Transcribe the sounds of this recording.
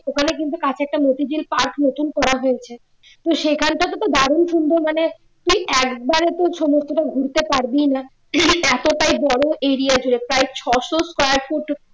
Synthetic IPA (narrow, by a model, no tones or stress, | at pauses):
okʰanekint̪ukat͡ɕʰɛk̚ʈamot̪id͡ʑilpaɾknot̪unkɔɾaɦojet͡ɕʰe | t̪oʃekʰanʈat̪ot̪od̪ʱaɾunʃund̪ʱomane | t̪ujʔɛkbaɾet̪oʃɔmost̪ʰoʈaɡʱuɾt̪epaɾbijna | ɛt̪oʈajbɔɽoʔeɾiad͡ʑʱuɽepɾaet͡ɕʰɔʃoskajaɾfoʈ